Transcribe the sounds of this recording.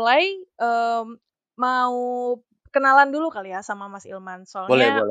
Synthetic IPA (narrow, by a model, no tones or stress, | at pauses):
lajʔə | mau | kənalandulukalijasamamasḭlmansɔbolɛbol